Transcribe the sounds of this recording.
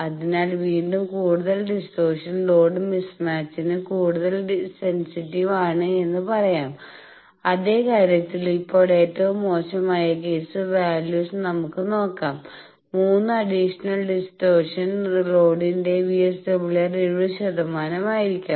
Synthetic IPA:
ɐðinaːlʋiːɳɖumkuːɽuðɐlɖisʈo̞ːrʂɐnlo̞ːɖɨmismaːt͡ɕːinɨkuːɽuðɐlɖsensitːiʋaːɳɨe̞nːɨpɐrɐjaːm | ɐðe̞ːkaːɾjɐt̪ːilipːo̞ːɽe̞ːtːɐʋumːo̞ːɕɐmaːjɐk̬e̞ːsɨʋaːljuːsnɐmukːɨno̞ːkːaːmː | uːnːɨɐɽiʂɐnɐlɖisʈo̞ːrʂɐnlo̞ːɖinde̞ʋijesʈebuɭɐreɻʋuɕɐðɐmaːnɐmaːjiɾikʲːu

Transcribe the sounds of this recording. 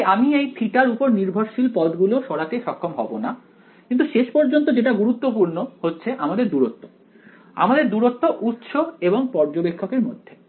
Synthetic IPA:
amiejt̪ʰiʈaɾupoɾniɾbʱoɾʃilpɔd̪ɡuloʃɔɽak̪eʃɔkʰːomɦɔbona | kint̪uʃeʃpɔɾd͡ʑont̪od͡ʑeʈaɡuɾut̪ːopuɾnohotːɕʰeʔamad̪eɾd̪uɾot̪ːo | a̰mad̪eɾd̪uɾot̪ːoʔut̪ːʃoeboŋpɔɾd͡ʑobekʰːokeɾmod̪ʱːe

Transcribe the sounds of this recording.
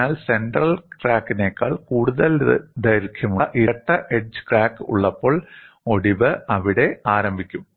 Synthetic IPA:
aːlse̞nɖrɐlkraːkːineːkːa̰ːɭkuːɽuðɐld̪ʱɐjɾkʰjɐmuʔiɐʈːɐʔeʈ̚d͡ʑɨ̥kraːkːṵɭːɐpːo̞ːɭ | o̞ɽiʋɨʔɐʋiɽe̞aːɾɐmbʱikʲːum

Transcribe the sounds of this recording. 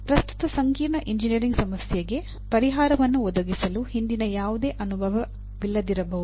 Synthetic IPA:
pɾɐst̪u̥t̪ɐsɐŋkiːɾɳɐʔiɲd͡ʒinijɐɾiŋɡsɐmɐsjɐɡe̞ | pɐɾiɦaːɾɐʋɐnːuɔd̪ɐɡisɐluhind̪inɐjaːʋud̪e̞ːʔɐnubʱɐʋɐ | ʋilːɐd̪iɾɐbɐɦud̪u

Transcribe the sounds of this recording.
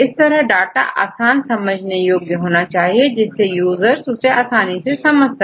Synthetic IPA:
ɪst̪ɐɾəɦɖaːʈa̰ʔa̰ːsaːnsɐməd͡ʒʱnejoːɡjəɦoːnat͡ʃaːɦied͡ʒɪsːejuːzəɾsʊseaːsaːnisesɐməd͡ʒʱsə

